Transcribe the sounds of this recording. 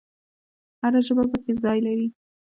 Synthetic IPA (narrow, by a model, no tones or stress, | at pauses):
haɾaʒəbapəkezɑjlaɾi